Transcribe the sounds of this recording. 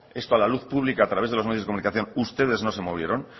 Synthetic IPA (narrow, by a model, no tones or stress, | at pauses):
e̞st̪oalaluθpuβ̞likaːt̪ɾaβezð̞elmejðekounikaθjo̞nust̪e̞ð̞e̞zno̞se̞moβjeɾo̞n